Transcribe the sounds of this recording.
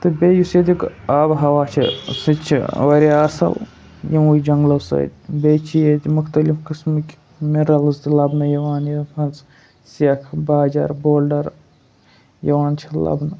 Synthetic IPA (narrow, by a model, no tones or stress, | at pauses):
t̪ɨbʲeːjused̪ikaːbɦɐʋaːt͡ʃʰḭsɨt͡ʃʰḭʋɐɾiɐsɐ̰l | jɐmujd͡ʒɐŋɡlɐsɐ̰d̪ʲbet͡ʃʰijed̪ʲmʊxt̪ɐlifkɨsmikʲ | miɾɐlɨzt̪ilɐbnɐjɐwaːnjɐpʰɐns | sijɐkʰbaːd͡ʒa̰ɾboːlɖɐɾ | jɐʋaːnt͡ʃʰɐlɐ̰bnɐ